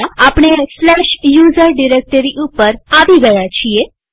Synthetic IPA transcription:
aapɽ̃eslɛʃjuzəɾɖiɾek̚ʈəɾiʔupəɾaʋiɡəjat͡ʃʰie

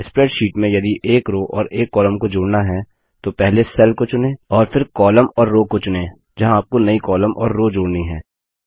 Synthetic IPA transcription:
ɪspɾɛːʈʃiːʈmẽjɐd̪iʔeːkɾoːʔɔːɾeːkːɔːləmkod͡ʒoːɽnaɦɛ | t̪opɛɦlesɛlkot͡ʃʊnẽːɔːɾfʰɪɾkɔːləmɔːɾːoːkot͡ʃʊnẽː | d͡ʒɐɦãaːp̚konɐikɔːləmʔɔ̰ːɾːoːd͡ʒoːɽniɦɛ̰ː

